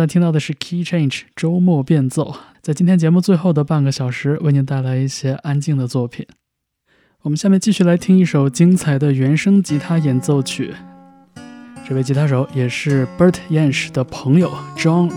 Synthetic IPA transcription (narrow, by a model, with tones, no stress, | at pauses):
t̪ʰi˥ŋt̪ɑ˥˩ʊd̪ə˩ʂɻ̩˥˩kʰi˥ʈ͡ʂʰe˥˩nʈ͡ʂʈ͡ʂo˥ʊmwɔ˥˧pjɛ˥˧nt͡so˥˩ʊt͡sa˥˩ɪt͡ɕi˥nt̪jɛ˥nt͡ɕjɛ˧˥mu˥˧t͡swe˥˧ɪxo˥˩ʊd̪ə˩pa˥˩nɡə˩ɕjɑ˨˩ʊʂɻ̩˧˥we˥˩ɪni˧˥t̪a˥˩ɪla˧˥ɪi˥˩ɕjɛ˥ʔa˥nt͡ɕi˥˩ŋd̪ə˩t͡swɔ˥˩pʰḭ˨˩˦n | wɔ˨˩mə˦nɕja˥˧mjɛ˥˧nt͡ɕi˥˧ɕy˥˩la˧˥ɪt̪ʰi˥ŋi˥˩ʂo˨˩ʊt͡ɕi˥ŋt͡sʰa˨˩ɪd̪ə˧ɥɛ˧˥nʂɤ˥ŋt͡ɕi˧˥t̪ʰa˥jɛ˨˩nt͡so˥˧ʊt͡ɕʰy̰˥˩ | ʈ͡ʂɤ˥˧we˥˩ɪt͡ɕʰi˧˥t̪ʰa˥ʂ̬o˧˥ʊjɛ˨˩ʂɻ̩˥˩pə˞˥t̪ʰjɛ˥˧nʂd̪̥ə˩pʰɤ˧˥ŋjo˨˩ʊʈ͡ʂɑ˥ŋ